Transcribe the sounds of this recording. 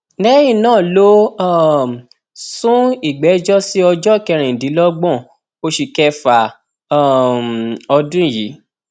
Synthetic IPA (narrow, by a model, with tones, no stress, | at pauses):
nɛ˦jĩ˦˨nãː˦˨lo˦˨ | sũ˦i˦˨ɡ͡bɛ˨˦d͡ʒɔ˦si˦ɔ˧d͡ʒɔ˦kɛ˧ɾ̃ɛ̃˨dĩ˨˦lɔ˦ɡ͡bɔ̃˦˨ | o˧ʃi˨kɛ˧fa˨ | ɔ˧dũ˦i˦˨jḭ˨˦